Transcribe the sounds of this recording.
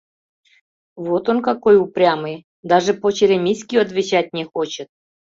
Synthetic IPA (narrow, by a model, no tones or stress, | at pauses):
vot̪onkakojuprʲamɨj | d̪aʐɨpot͡ɕeɾʲemʲisʲkʲijat̪vʲɪt͡ɕat̚ʲnʲexot͡ɕət̪̚